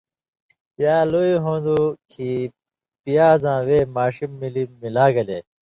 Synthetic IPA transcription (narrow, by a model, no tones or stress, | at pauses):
jaːloːiɦõːnd̪ukʰi | pijaːzãːweːmaːɕimːilimilaːɡɐle